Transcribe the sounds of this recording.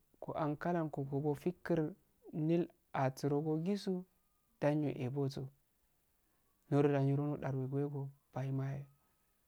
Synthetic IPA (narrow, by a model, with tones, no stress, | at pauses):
ko̰˨ʔa˨nka˦la˦˨nko˨ko˨bo˨fi˦kːi˦ɾ | ni˦l | a˨t͡su˨ɾo˨ɡo˦ɡi˦su˦ | d̥a˦ɲo˨ʔe˨bo˦t͡so˨ | no˦ɾda˨ɲo˨ɾo˦no˦ɗa˨ɾwe˨ɡʷe˦ɡo˨b̥a˨i˦ma˦je˨